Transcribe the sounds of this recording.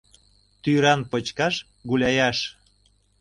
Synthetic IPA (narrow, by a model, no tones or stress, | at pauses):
t̪yɾɑnpot͡ɕkɑʃ | ɣulʲɑjɑʃ